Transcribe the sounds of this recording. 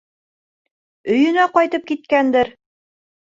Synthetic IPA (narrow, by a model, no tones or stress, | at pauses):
ɵ̆jɵ̆næqɑjt̪ɤp̚kit̪̚kænd̪ɘɾ